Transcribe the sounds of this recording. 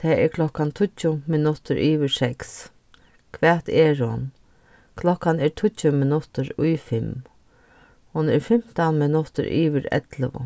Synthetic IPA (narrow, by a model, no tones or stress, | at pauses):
t̪ʰɛːʔɛɾkʰlɔhkant̪ʰʊt͡ɕːʊmɪnʊt̪əɾʔiːʋɪsɛks | kʰʋɛːt̪ɛɹhʊn | kʰlɔkanɛɹt̪ʰʊt͡ʃʊmɪnʊt̪əɾʊjfɪm | hʊnɛɹfɪm̥t̪anmɪnʊt̪ə̰ɾʔḭːʋɪɾɛ̰t̪ləʋʊ̰